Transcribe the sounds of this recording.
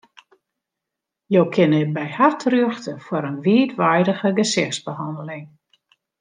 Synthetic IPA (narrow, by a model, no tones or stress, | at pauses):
jowkʰɪnɪtbɛjhartʰrøəxtəfʊɾənʋiətʋajdəɣəɡəsɪxsbəhɑndəlɪŋ